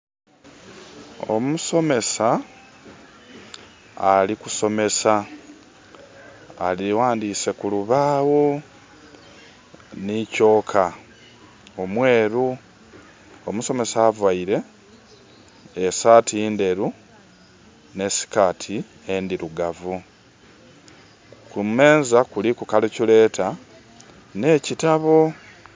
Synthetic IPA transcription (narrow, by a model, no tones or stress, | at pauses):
o̰muso̞me̞sa | liku̥so̞me̞sa | liwaːndiːse̞kuluβaːwo̞ | nico̞ːkʰa | omwe̞ːɾu | omuso̞me̞saːvwaiɾe̞ | esaːtiːnde̞ɾu | ne̞si̥kaːtʰi | e̞ndiɾuɡavu | kume̞ːnzakulikukalecule̞ːtʰa | ne̞ːcitaβo̞